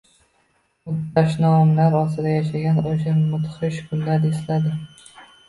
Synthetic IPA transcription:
ʊtbaʃnɒmlaɾɒst̪ɪd̪ajaʃaɡʲanoʃaɾmʊt̪χɪʃkʰʊnlaɾeslad̪ɪ

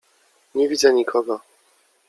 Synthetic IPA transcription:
ɲɛvʲid̪zɛɲikʰɔɡɔ

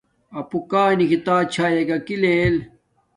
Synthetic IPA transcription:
ɐpukaːnikit̪aːt͡ɕʰaːjɐkɐkilel

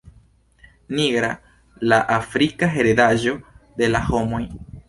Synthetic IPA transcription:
niɡɾa | laʔafɾikaɦe̞ɾed̪aʒo̞d̪e̞laho̞moj

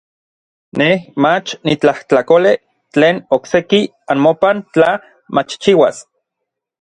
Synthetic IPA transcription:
nehmat͡ʃnit͡ɬaht͡ɬakole | t͡ɬeːnokseki | anmopant͡ɬa | mat͡ʃt͡ʃiwa̰s

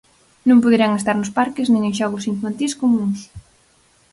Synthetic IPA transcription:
nõmpoðeɾaŋest̪aɾnʊspaɾkɪznẽŋẽŋʃɔɣʊsiɱfant̪iskomũŋs

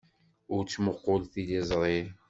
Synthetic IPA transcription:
ʊɾt͡sːməqːʊlθilizˤɾˤi

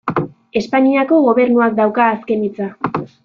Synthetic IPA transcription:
e̞spaɲiako̞ɣo̞β̞e̞ɾnuak̚d̪awkaːske̞nit͡sa

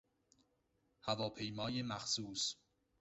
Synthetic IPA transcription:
hævɒːpʰe̞jmɒːjemæxsuːs

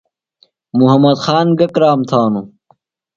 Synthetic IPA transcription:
muɦɐmɐd̪xaːnɡɐkɾaːmt̪ʰaːnu

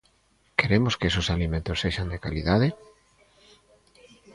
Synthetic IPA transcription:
keɾemoskesosalimẽnt̪oseʃand̪ekaliðaðe

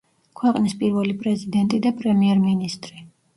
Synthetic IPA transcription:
kʰwɛqʼnispʼiɾvɛlipʼɾɛzid̪ɛnt̪ʼid̪apʼɾɛmiɛɾminist̪ʼɾi

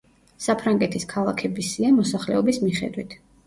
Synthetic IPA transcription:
sapʰɾaŋɡɛt̪ʰiskʰalˠakʰɛbisiamɔsaχlɛɔbismiχɛ̰d̪wit̪ʰ

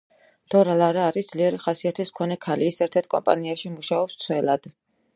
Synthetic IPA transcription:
d̪̥ɔɾalaɾaːɾisd̪zliɛɾiχasiat̪ʰismkʰɔnɛkʰaliːsɛɾt̪ʰɛɾt̪̚ʰkʼɔ̰mpʼa̰niaʃimuʃaɔpst̪sʰwɛlad̪̥

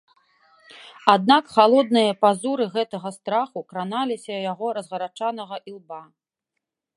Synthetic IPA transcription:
ad̪̚nakxalˠɔd̪nɨjɐpazuɾɨɣɛt̪ɐɣɐst̪ɾaxukɾanalʲisʲɐjaɣɔɾɐzɣɐɾat͡ʂanɐɣɐʔilˠba

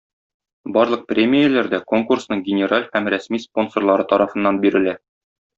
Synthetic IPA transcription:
bɒɾlˠɤq̚prʲemʲɪjɘlæɾd̪æko̞ŋkursnɤɴɡʲɪnʲɪɾalʲhæmɾæsmispo̞nsorlˠɑɾɤt̪ɒɾɑfɤ̆nːɑnbiɾɘ̆læ

